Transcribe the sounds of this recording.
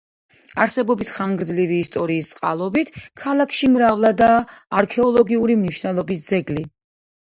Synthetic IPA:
aɾsɛbɔbisχaŋɡɾd̪zliviːst̪ʼɔɾiːst̪sʼqʼa̰lˠɔbit̪ʰkʰalˠakʰʃimɾavlˠad̪aːɾkʰɛɔlˠɔɡiuɾimniʃnɛlˠɔbis̬d̪zɛɡli

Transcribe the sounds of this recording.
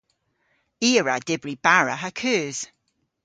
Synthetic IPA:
iːɹad̥ɪbɹib̥aɹəɦəkʰʉːz̥

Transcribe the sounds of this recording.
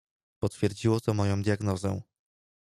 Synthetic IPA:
pɔt̪fʲjɛɾd͡ʑiwɔt̪ɔmɔjɔ̃w̃d̪ʲjaɡnɔzɛ̰w̃

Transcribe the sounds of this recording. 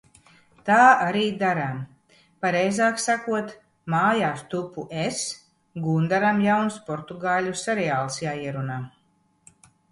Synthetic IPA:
t̪aːaɾiːd̪aɾam | paɾɛjzaːksakuɔt̪ | maːjaːst̪upuʔes | ɡund̪aɾamjawnspɔɾt̪uɡaːlʲusɛɾɛaːlˠsjaːiɛɾunaː

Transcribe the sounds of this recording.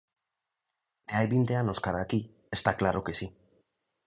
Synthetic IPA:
ajβind̪e̞ano̞skaɾaki | est̪aklaɾokesi

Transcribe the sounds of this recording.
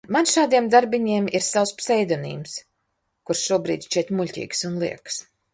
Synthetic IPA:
manʃaːd̪iɛmd̪aɾbiɲiɛmiɾsawspsɛjd̪ɔnḭːms | kuɾsʃuɔbɾḭːd̪ʲt͡ʃit̪ʲmulʲcʲḭːksunlˠḭɛks

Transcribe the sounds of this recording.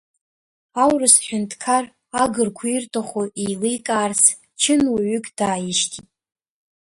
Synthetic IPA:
awrɨsħʷᶣʊntʰkʰar | aɡɨrkʷʰuirtʰʼaχʷoijlɨjkʼaːrsʰ | t͡ʃʰɨnwaɥʏkʰʼd̥aːjɪʃtʰitʼ

